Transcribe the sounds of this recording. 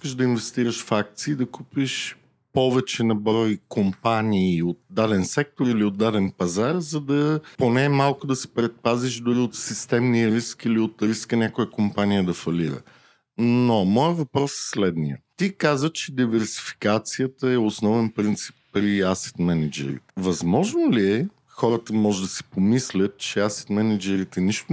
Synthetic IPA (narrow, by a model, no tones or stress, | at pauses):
ikəʃd̪ɐinvɛst̪iɾəʃfak̚t̪siːd̪ɐkupiʃ | pɔvɛt͡ʃɛnɐbɾɔjkompaniːot̪̚d̪ad̪ɛnsɛk̚t̪oɾiliod̪ːad̪ɛnpɐzaɾzɐd̪ɐponɛmalˠkʊd̪ɐsɛ̥pɾɛt̪̚paziʃd̪ʊɾiot̪sist̪ɛmniəɾiskiliot̪ɾiskənʲakʊjəkompanijəd̪ɐfɐliɾə̰ | nomɔjəvɐpɾɔsslɛd̪nijət̪ikazət͡ʃɛd̪ivɛɾsi̥fi̥kat̪sijət̪əɛosnɔvɛnpɾint̪si̥pːɾiasɛ̥t̪mɛnɛd͡ʒɛ̰ɾḭt̪ɛ̥vɐzmɔʒnoliɛ | xɔɾət̪əmɔʒɛd̪ɐsi̥pomislʲət̪̚t͡ʃɛasɛ̥t̪mɛnɛd͡ʒɛɾit̪ɛniʃt̪ʊ